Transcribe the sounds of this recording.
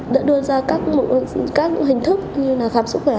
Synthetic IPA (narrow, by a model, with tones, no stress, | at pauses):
ɗa̰ː˧˥ɗɨ˧əzaː˧kaː˦˥k̚mṵ˧˨kaː˦˥k̚ɲ̰˧˥ŋɦï˨˩ŋ̟t̪ʰɨ˦˥k̚ɲɨ˧naː˨˩wxaː˨˩pmsʊ˦˥t̚xwe˧˩